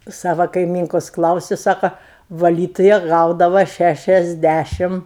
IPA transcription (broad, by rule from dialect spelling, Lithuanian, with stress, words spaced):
ˈsɑːʋɐ kɐɪˈmʲiːŋkoːs ˈklˠɐʊsʲʊ ˈsɑːkoː ʋɐˈlʲiːtʊjɛ ˈɡɐʊdɐʋɐ ˌʃʲæʃʲɛzʲˈdʲæʃʲɪm